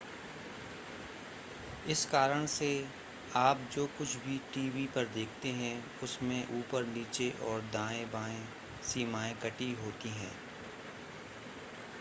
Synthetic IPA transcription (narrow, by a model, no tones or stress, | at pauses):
ɪskaːɾəɽ̃se | aːp̚d͡ʒoːkʊt͡ʃʰbʱiʈiːʋipɐɾd̪eːkʰt̪eɦɛ̃ | ʊsmẽʔuːpəɾniːt͡ʃeʔɔːɾd̪ãːẽbãːẽ | siːmaːẽkɐʈiɦoːt̪iɦɛ̰̃ː